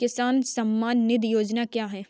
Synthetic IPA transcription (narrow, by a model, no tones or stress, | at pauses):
kɪsaːnsɐmːaːnːɪd̪joːd͡ʒnakjaːɦɛː